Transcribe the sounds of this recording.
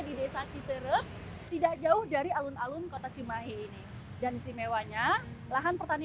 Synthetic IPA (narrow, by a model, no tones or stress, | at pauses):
didesat͡ʃit̪əɾəp̚ | t̪idak̚d͡ʒaʊhdaɾialʊnalʊnkot̪at͡ʃimaɦiːni | dansimewaɲa | laɦanpərt̪ani